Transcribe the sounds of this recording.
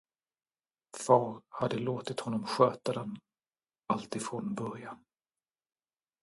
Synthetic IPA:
fɑːɾhad̪ːəloːt̪ɪt̪hɔnːɔmɧøːt̪ad̪ɛn | alt̪ɪfɾoːnbœɾjan

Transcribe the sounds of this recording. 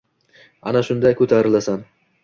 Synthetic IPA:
a̰naʃʊnd̪ajkʰɵt̪ʰaɾɪlasan

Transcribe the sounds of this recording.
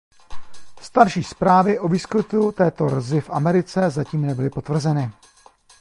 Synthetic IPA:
st̪aɾʃiːspɾaːvɪʔo̞viːsklɪt̪ut̪ɛːt̪o̞rzɪfʔamɛɾɪt͡sɛzaciːmnɛbɪlɪpo̞t̪vr̩zɛnɪ

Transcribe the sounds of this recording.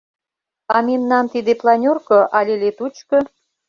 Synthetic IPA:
ɑmemnɑnt̪id̪eplɑnʲorkŏʔɑlʲelet̪ut͡ɕko

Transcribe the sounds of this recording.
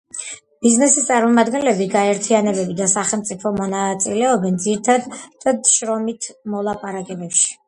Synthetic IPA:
b̥iznɛsist̪sʼaɾmɔmad̪ɡɛnlɛbiɡaɛɾt̪ʰianɛbɛbid̪asaχɛlˠmt̪sʼipʰɔmɔnat̪sʼilɛɔbɛnd̪ziɾit̪ʰad̪d̪̥ad̪ʃɾɔmit̪ʰmɔlˠapʼaɾakʼɛbɛpʃi̥

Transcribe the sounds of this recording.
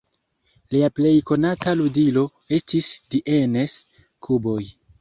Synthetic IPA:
liaple̞jko̞nataludilo̞ | e̞stisdiʔenes | kʰubo̞j

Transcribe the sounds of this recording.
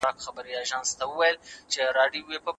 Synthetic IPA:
ɑkxabəɾiɑʒɑnst̪awəwajəlt͡ʃeɾɑɖijowepə

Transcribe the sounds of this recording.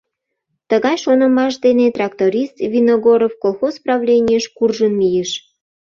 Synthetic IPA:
t̪əɣɑjʃonəmɑʃ̬d̪enet̪rɑkt̪oɾʲist̪vʲinoɣoɾofkolˠxozprɑβlʲenʲijəʃkurʒənlijeʃ

